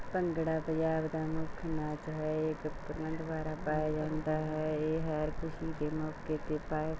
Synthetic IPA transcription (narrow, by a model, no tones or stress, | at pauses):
pə̃ŋɡɽapəd͡ʒaːbd̪amoːkʰɐnaːt͡ʃɦɛeːkpəɾmə̃nd̪ʋaːɾapaːjad͡ʒãːnt̪aɦɛeːɦɐɾkʰʊsikemoːkket̪epaːj